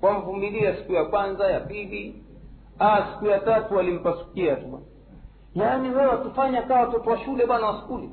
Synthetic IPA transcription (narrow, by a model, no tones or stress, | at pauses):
kwam̩vumiliasi̥kujakwanzajapili | asi̥kujatatuwalim̩pasu̥kiatuɓa̰na | janiwɛwatufaɲakawwatɔtɔwaʃulɛɓanawasu̥kuli